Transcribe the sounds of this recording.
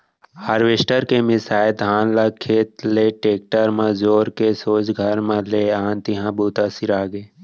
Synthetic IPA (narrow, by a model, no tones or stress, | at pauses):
haːɾʋesʈəɾkemɪsaːɪd̪ʱɦaːnlakʰeːt̪leːʈeːk̚ʈəɾmãzoːɾkesoːd͡ʒɡʱəɾmẽleːaːnt̪ɪɦãbuːt̪asiɾaːɡeː